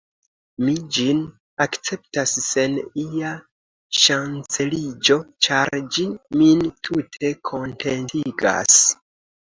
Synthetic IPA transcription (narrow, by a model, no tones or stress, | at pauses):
mid͡ʒin | akt͡se̞p̚tasːe̞nia | ʃant͡se̞lid͡ʒo̞t͡ʃaɾd͡ʒimintʰutʰe̞kʰo̞nte̞ntiɡa̰s